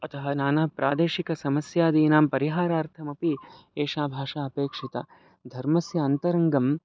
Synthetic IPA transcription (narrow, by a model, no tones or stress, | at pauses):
ɐt̪ɐɦɐnaːnaːpɾʔa̰ːd̪eːʃikɐsɐmɐsjaːd̪iːnaːmpɐɾiɦaːɾaːɾt̪ʰɐmɐpi | eːʃaːbʱaːʂaːɐpeːkʂit̪ɐ̰ | d̪ʱɐɾmɐsjɐːnt̪ɐɾɐŋɡɐm